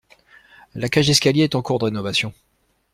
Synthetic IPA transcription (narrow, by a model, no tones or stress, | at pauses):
lakaʒɛskʲaljeɛt̪ɑ̃kuʁd̪əʁenɔvasjɔ̃